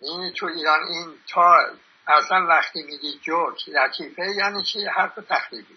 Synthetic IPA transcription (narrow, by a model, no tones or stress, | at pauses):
ʔiːnt̪ʰuiːɾɒniːnt̪ʰɒː | ʔæslænvæxt̪ʰiːmiːd̪iːd͡ʒokd̪æɾt̪ʰiːfejæːniːt͡ʃʰihæɾt̪ʰot̪ʰæxɾiːbi